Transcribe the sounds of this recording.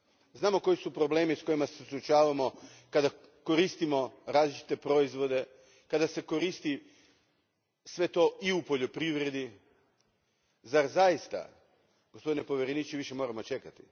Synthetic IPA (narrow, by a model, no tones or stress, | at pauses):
znaːmo̞ko̞jisupɾo̞ble̞ːmisko̞imasesuɾut͡ʃaːʋamo̞ | kad̪a | ko̞ɾist̪imo̞ɾaːzlit͡ʃi̥t̪e̞pɾo̞izʋo̞d̪e̞ | kad̪ase̞ko̞ɾiːst̪i | sʋe̞t̪o̞iupo̞ʎo̞pɾiʋɾe̞d̪i | zaɾzajist̪a̰ | ɡ̥ospod̪ine̞po̞ʋjeɾenit͡ʃiʋiʃe̞mo̞ːɾamo̞t͡ʃe̞kat̪i̥